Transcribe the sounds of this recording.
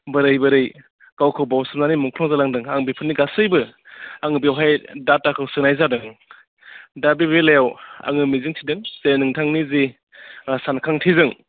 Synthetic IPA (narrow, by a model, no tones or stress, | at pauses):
bɯɾɯjbɯɾɯj | kawkʰɯwbawsɯmnanimuŋkʰlɔŋzalaŋdɯŋaŋbipʰɯnːiɡasɯjbɯaŋɯbiwɦajdatːakʰɯwsɯnajzadɯŋ | dabibelajawa̰ŋɯmizɯŋtʰidɯŋsenɯŋtʰaŋnizi | sankʰaŋtʰizɯŋ